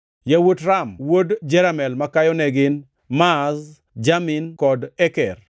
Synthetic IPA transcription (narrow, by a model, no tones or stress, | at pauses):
jawotɾamwodd͡ʒɛɾamɛlmakajɔnɛɡɪn | maz | d͡ʒaminkɔdɛkɛr